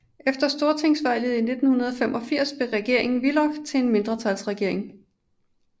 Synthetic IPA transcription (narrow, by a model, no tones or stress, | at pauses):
ʔefd̥ɐsd̥o̝ɐt͡sʰeŋ̰sʋɑ̈ɪ̰lð̩ˠine̝d̥n̩hunɐð̞ˠɒfem̰ʔɒ̽fiɐ̰sb̥e̝ʁɛɡ̥e̝ɐ̰e̝ŋn̩ʋilɒɡ̥t͡sʰe̝enme̝nd̥ʁɐt͡sʰælsʁɛɡ̥e̝ɐ̰e̝ŋ